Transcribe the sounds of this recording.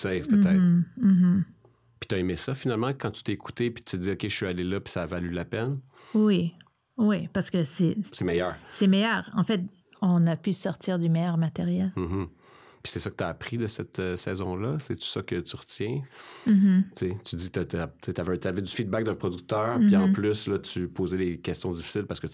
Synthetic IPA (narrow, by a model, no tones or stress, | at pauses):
t̪ɛjt̪pət̪ɛɪt̪̩ːɦ̩ | pi̥t̪aemesʌfinalmɑ̃kɑ̃t̪y̥t̪ɛeku̥t̪epi̥t̪y̥t̪əd̪iɔkʲe̥ʃɥialelʌpi̥saːvalylapɛn | wwi | wipaʁsə̥kəsɛsɛmɛjœːʁsɛmɛjœːʁɑ̰̃fɛt̪̚ | ɔ̃napysɔʁt̪iːʁd̪ymɛjœʁmat̪eʁjɛlm̩ɦm̩ | pi̥sɛsʌkət̪aːpχid̪əsɛt̪sɛːzɔ̃lʌsɛt̪y̥sʌkʲət̪yʁət̪jɛ̃ | t͡set̪yd̪it̪at̪at̪et̪yavɛt̪yavɛd̪yfid̪bak̚d̪ɛ̃pχɔd̪yk̚t̪œːʁpiɑ̃plyslʌt̪ypoːzɛlekʲɛst̪jɔ̃d̪ifi̥sɪlpaʁsə̥kə